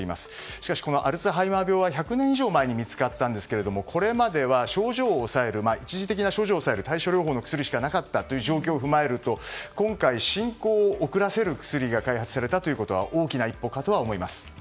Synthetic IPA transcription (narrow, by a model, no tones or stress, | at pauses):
ima̰sɨ̥ɕi̥kaɕi̥ko̞no̞ʔaɾɯ̟t͡sɨɦaimabʲo̞ːβaçakɯ̟nẽiʑo̞ːmae̞ɲ̟imʲit͡sɨ̥kat̪ːãnd̪e̞sɨ̥ke̞ɾe̞d̪o̞mo̞kʰo̞ɾe̞mad̪e̞βaɕo̞ːʑo̞ːsae̞ɾɯ̟mait͡ɕiʑit̪e̞kʲinaɕo̞ːʑoːsae̞ɾɯ̟t̪aiɕo̞ɾʲoːɦoːno̞kɯ̟̥sɨɾʲiɕi̥kanakat̪ːat̪ːo̞jɯ̟ːʑo̞ːk̬ʲo̞ːɸɯ̟mae̞ɾɯ̟t̪o̞kõ̞ŋkaiɕĩŋkoːkɯ̟ɾase̞ɾɯ̟kɯ̟̥sɨɾʲiɡakaihat͡sɨ̥saɾe̞t̪at̪o̞jiɯ̟ko̞t̪o̞βa̰ʔo̞ːkʲinaipːo̞ːkat̪o̞βaomo̞imasɨ̥